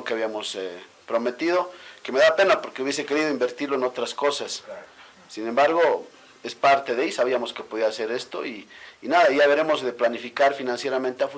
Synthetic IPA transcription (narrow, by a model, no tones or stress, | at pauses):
ŋkeaβjamo̞se | pɾo̞me̞t̪ið̞o̞ke̞me̞ðape̞napo̞ɾkeuβje̞s̬e̞ke̞ɾið̞o̞imbe̞ɾt̪iɾloenot̪ɾasko̞sasː | ine̞mbaɾɣo̞ | e̞spaɾt̪e̞ðejisaβiamo̞ske̞po̞ðiaːse̞ɾe̞st̪o̞̰iːnaðajaβeɾe̞mo̞zðe̞planifikaɾfinãnsje̞ɾament̪eafu